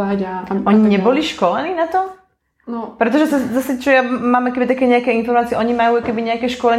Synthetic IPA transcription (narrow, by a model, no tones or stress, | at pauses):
aat̪ɔɲiɲɛbɔliʃkɔlɛniːnat̪ɔ | nɔpɾɛt̪̬ɔʒɛsɛzasɛt͡ʃɔjamaːmakɛbit̪akɛɲɛakɛinfɔɾmaːt͡siɛʔɔɲimajuːakɛbiɲɛakɛːʃkɔlɛɲ